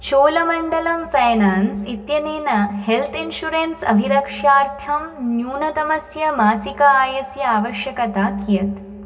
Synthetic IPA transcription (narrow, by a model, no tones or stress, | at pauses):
t͡ʃoːlɐmɐɳɖɐlɐmfɐjnaːnsit̪jɐneːnɐhelt̪ʰinʃuɾensɐ̰bʱiɾɐkʂaːɾt̪ʰɐmnjuːnɐt̪ɐmɐsjɐmaːsikɐaːjɐsjɐaːʋɐʃjɐkɐt̪aːkijɐt̪